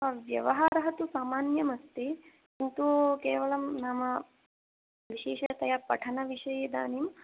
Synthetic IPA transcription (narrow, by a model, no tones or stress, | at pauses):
ʋjɐ̰ʋɐɦaːɾɐɦɐt̪usaːmaːnjɐmɐst̪i | int̪ukeːʋɐlɐmnaːmɐ | ʋiʃeːʂɐɐt̪ɐjɐpɐ̰ʈʰɐnɐʋiʂɐjeːd̪a̰ːniːm